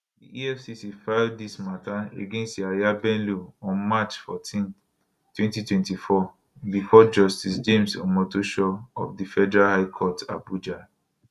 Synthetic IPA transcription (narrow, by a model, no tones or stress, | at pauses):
dḭiɛfsisifadismataḛɡẽnstiajabɛ̃nluɔ̃nmat͡ʃfɔ̰tʰĩn | twɛ̃ntitwɛ̃ntifɔ | bifɔd͡ʒɔstisd͡ʒẽmsɔ̰mɔtoʃɔɔ̰fdifɛdɛɹahaɪkʰɔta̰bud͡ʒa